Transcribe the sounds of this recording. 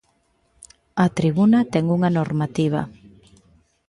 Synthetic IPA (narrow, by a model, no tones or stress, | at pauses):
ɐt̪ɾiβunɐt̪ɛŋuŋanoɾmat̪iβ̞ɐ̰